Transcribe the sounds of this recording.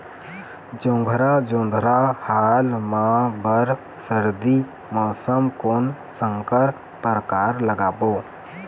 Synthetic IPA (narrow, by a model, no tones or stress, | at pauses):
d͡ʒõːŋɡʱɾad͡ʒõːnd̪ʱɾahaːlmãbəɾ | səɾd̪i | mɔːsəmkoːn | səŋkəɾ | pəɾəkaːɾləɡaːboː